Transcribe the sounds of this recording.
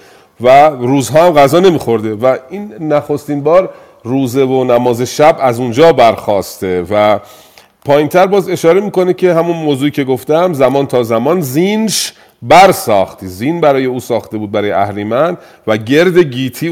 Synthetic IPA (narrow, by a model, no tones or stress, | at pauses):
væɾuːzɦɒːæmɣæzɒːne̞miːxo̞ɾd̪e̞væiːnːæxo̞st̪iːnbɒːɾ | ruːzevonæmɒːze̞ʃæbæzund͡ʒɒːbæɾxɒːst̪evæ | pʰɒːjint̪ʰæɾbɒːze̞ʃɒːɾe̞miːko̞necʰe̞ɦæmunmoːzuːiːcʰe̞ɡo̞ft̪æmzæmɒːnt̪ʰɒːzæmɒːnzinʃ | bæɾsɒːxt̪izinbæɾɒːjeuːsɒːxt̪e̞bud̪bæɾɒːjeæhlimæn | væɟe̞ɾd̪e̞ɟiːt̪ʰiː